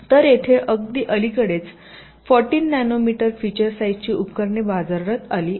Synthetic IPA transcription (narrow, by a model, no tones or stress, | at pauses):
t̪əɾjet̪ʰeʔəɡd̪iːʔəlikəɽet͡s | fɔɾʈiːnːænomiʈəɾfit͡ɕəɾsajd͡ʑt͡ɕiːʔupkəɾɳebad͡zaɾɾət̪aliː